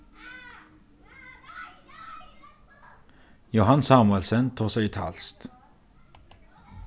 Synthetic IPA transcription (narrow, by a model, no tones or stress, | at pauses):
jʊhɑnsɑːmʉɛlsənt̪ʰuːsæɪiːt̪ʰɑ̰lst̪